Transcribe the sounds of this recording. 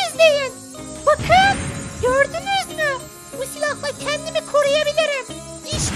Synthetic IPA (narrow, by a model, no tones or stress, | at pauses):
izd̪ejin | bukʰanɟøɾd̪ynyzmi | usilʲˠɑhlˠɑcʰænd̪imikʰoɾejabiliɾim | iʃ